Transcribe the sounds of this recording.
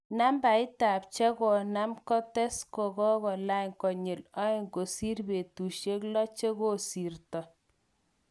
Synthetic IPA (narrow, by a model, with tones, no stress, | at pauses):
na˦mba˨ɪ˦ta˨p̚t͡ʃɛ˦ɡɔ˨na˦mkɔ˦tɛ˦skɔ˨ɡɔ˦ɣɔ˨la˦jŋkɔ˨ɲe˨lɔ˦˨ŋko˨si˦rbe˨tu˨ʃe˦klɔ˦t͡ʃe˦ɡo˦si˨rtɔ˨